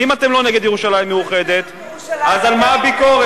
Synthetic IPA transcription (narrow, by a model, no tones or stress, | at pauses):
imat̪e̞mlo̞neɡed̪jeʁuʃalaimːeuχe̞d̪e̞t̪ | azalmaːbiko̞ʁe